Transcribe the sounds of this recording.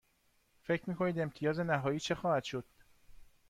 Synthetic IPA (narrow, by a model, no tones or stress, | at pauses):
fe̞cʰɾmiːkʰo̞niːd̪e̞mt̪ʰijɒːze̞næɦɒːjiːt͡ʃʰe̞xɒːhæd̪̥ʃod̪̥